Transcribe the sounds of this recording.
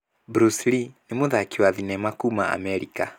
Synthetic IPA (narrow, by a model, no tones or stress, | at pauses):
bɾuslinemoðakiwaðinɛmakumaa̰mɛɾika